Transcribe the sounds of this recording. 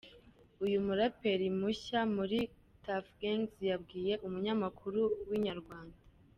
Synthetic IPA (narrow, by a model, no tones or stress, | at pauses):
ujumuɾape̞ɾimuçamuɾi | tafɡeŋzjabɡiːje̞ʔumuɲamakʰuɾuwiɲaɾɡwaːnda